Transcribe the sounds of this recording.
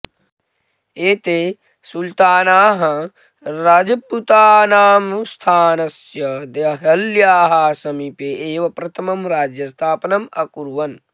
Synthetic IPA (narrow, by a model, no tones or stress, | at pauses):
eːt̪eː | sult̪aːnaːɦɐ | ɾaːd͡ʒɐpːut̪aːnaːmst̪ʰaːnɐsjɐd̪eɦɐljaːɦaːsɐmipeʔeːʋɐpɾɐt̪ʰɐmɐmɾaːd͡ʒjɐst̪ʰaːpɐnɐmɐkuɾʋɐn